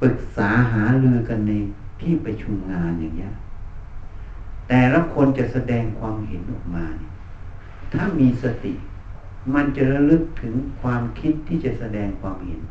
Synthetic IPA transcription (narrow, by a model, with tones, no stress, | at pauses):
fɯ˨˩k̚saː˩˦ɦaː˩˦ɾɯ˧əka˧nːa˧j | t̪ʰiː˥˩pɾa˧t͡ɕʰu˧mŋaː˧nja˨˩ŋːni˦˥ɐ˧ʔ | t̪ɛː˨˩la˧˥kʰo˧nt͡ɕa˨˩sa˧dɛː˧ŋkʰwaː˧mhe˨˦nʔɔː˨˩k̚maː˧ni˧˩ | t̪ʰaː˥˩miː˧sa˧t̪ḭ˨˩ | ma˧nt͡ɕa˨˩ɾa˧lɯ˧˥˩k̚t̪ʰɯ˩˦ŋkʰwaː˧mkʰi˦˥t̪ʰːiː˥˩t͡ɕa˨˩sa˧dɛː˧ŋkʰwaː˧mhḛ˩˦n